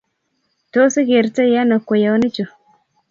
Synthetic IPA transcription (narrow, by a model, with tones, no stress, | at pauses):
to˦si˦ɡe˨ɾta˦ja˦na˨kːo˨ja˨wni˦t͡ʃu˨